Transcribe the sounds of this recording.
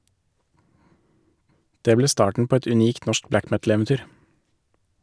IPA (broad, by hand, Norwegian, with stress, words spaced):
ˈdeː ˈbleː ˈstɑːʈɳ̩ ˈpoː ˈɛt ʉˈniːkt ˈnɔʃk ˈblæk ˈmɛtl̩ɛʋɛnˌtyːɾ